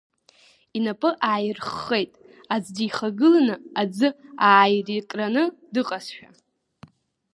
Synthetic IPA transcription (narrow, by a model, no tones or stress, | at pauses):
inapʼɨʔaːjrχːejtʼ | ad͡zdijχaɡɨlanɨad͡zɨaːjrikʼranɨdɨqʼasʃᶣa̰